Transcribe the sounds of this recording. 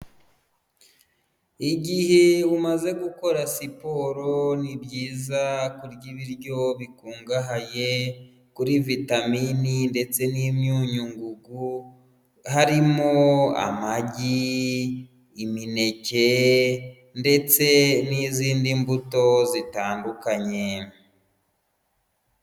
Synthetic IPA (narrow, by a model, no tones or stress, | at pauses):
iɟiheumaze̞ɡuko̞ɾasipo̞ɾo̞nibɟiːzakuɾɟiβiɾɟo̞βikuːŋɡaɦaje̞ | kuɾivitamininde̞t͡se̞nimɲuːɲuŋɡuɡu | haɾimoa̰maɟi | mine̞ce̞ | nde̞t͡se̞niziːndimbuto̞zitaːndukaɲe̞